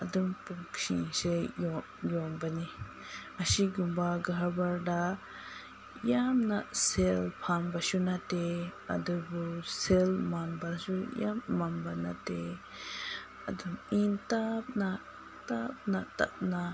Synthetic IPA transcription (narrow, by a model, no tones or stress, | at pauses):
ɐdumpusḭŋsejɔ | jɔnbani | ɐsiɡumbaɡaɦabaɾda | jamnaselpʰanbasunateɐ̰dubuselmanbasujamːanbanate | ɐdumintap̚na | tap̚nata̰ʔ̚na